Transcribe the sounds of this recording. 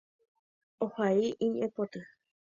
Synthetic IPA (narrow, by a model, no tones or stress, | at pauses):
ohaiʔĩɲẽpot̪ɨ